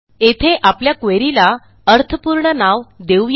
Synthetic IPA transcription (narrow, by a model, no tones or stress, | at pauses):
et̪ʰeʔapljakʋeɾila | əɾt̪ʰəpuɾɳənaʋd̪e